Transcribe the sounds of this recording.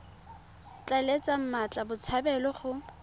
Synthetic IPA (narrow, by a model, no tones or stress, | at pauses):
t͡ɬʼalet͡sʼam̩mat͡ɬʼabʊt͡sʰabɛlɔχʊ